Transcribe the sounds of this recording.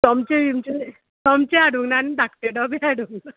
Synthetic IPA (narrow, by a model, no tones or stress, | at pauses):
t̪ɔmt͡ʃeʋimt͡ʃe | t̪ɔmt͡ʃeaɽuŋnanid̪ak̚ʈ̪eɖɔbeaɽuŋ